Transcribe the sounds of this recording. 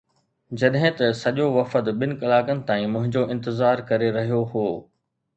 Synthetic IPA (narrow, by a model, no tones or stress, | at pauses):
d͡ʑɐɗɦɪ̃t̪ɐsɐʄoʋɐfəd̪ɓɪnɪ̆kɐlaːkənɪ̆t̪aːĩmʊ̃ɦɪ̃ɲd͡ʑoʔɪ̃nt̪ɪzaːɾkɐɾeɾɐɦijoɦoː